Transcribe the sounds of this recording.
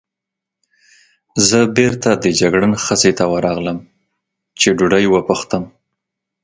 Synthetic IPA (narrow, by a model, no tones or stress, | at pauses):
zəbeɾt̪ad̪əd͡ʒaɡɽənxəset̪awəɾɑɣləm | t͡ʃeɖuɖəjwəpəxt̪əm